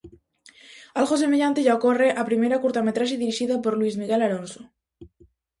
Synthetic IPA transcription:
alɣosemeʎant̪eʝaokoreʔapɾimejɾakuɾt̪amet̪ɾaʃeðiɾiʃiðapoɾluizmiɣelaɾonso̥

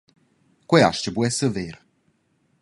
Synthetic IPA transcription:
kwɛa̰ʃcəbuɛsəveɾ

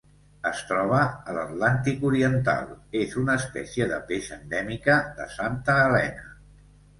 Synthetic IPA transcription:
əst̪ɾɔβ̞əːlət̪lant̪ikuɾiənt̪a̰lˠezunəːspɛ̰sjəðə̰peʃə̰nd̪ɛmikəðə̰sant̪əːlɛ̰nə

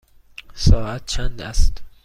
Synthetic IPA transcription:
sɒːʔæt̪̚t͡ʃʰænd̪æst̪

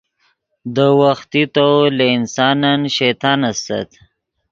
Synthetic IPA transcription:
d̪əwaxt̪it̪olaɪnsɑnanʃajt̪ɑːnast̪a̰t̪

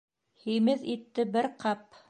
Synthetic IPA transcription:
hijmɘðit̪ːɘbɘɾqʰɑp

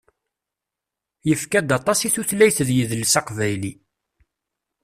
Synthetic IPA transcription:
jəfkæd̪ɑt̪ˤɑsiθuθlæjθðjəðlsɑqvæjli

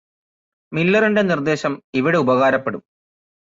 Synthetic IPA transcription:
milːɐrinde̞nird̪e̞ːɕɐmiʋiɽe̞ubɐɣaːɾɐpːeɽum

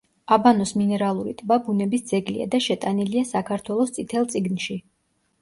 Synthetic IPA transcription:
abanɔsminɛɾalˠuɾit̪ʼbabunɛbisd̪zɛɡlḭa̰d̪aʃɛt̪ʼaniliasakʰaɾt̪ʰwɛlˠɔst̪sʼit̪ʰɛlˠt̪sʼiɡnʃi

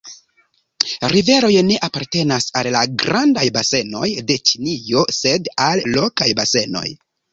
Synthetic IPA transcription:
ɾive̞ɾo̞jne̞ʔapaɾte̞nasallaɡɾandajbase̞no̞jde̞t͡ʃinijo̞se̞dallokajbase̞no̞̰j

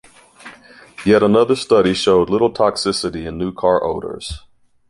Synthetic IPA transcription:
jɛɾənʌðə˞stʌɾiʃoʊdˡlɪɾl̩ˠtʰɑksɪsɨɾiɨ̃nːʉkʰɑɹʔo̰ʊɾə̰˞z̥

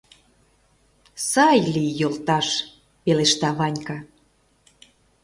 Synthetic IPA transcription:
sɑjlijolt̪ɑʃ | peleʃt̪ɑβɑnʲkɑ

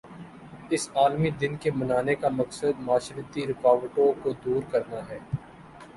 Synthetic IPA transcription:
ɪsaːlmid̪ɪnkemɐnaːnekamɐksəd̪maːʃɾət̪iɾɪkaːʋəʈõkod̪uːɾkɐɾnaɦɛː

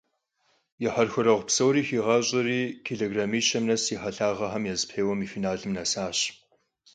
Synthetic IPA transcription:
jɛħɐrxʷʊɾɐʁʷpsɐwɾiːxiːʁɐɕʼɪriːkʰeɮeɡramiːʃɐmnɐsiħɐɬaːʁɐħɐmjɛzɨpħeːwɐmiːfiːnaːɮɨmnɐsaːɕ

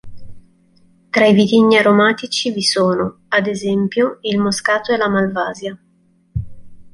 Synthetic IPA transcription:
t̪ɾaivit̪iɲːiaɾomaːt̪it͡ʃivisoːno | ad̪ezɛmpjoilmoskaːt̪oɛlamalvaːzja

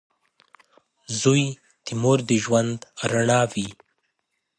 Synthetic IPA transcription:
zuj | t̪imoɾd̪iʒwand̪aɾaɳɑvi

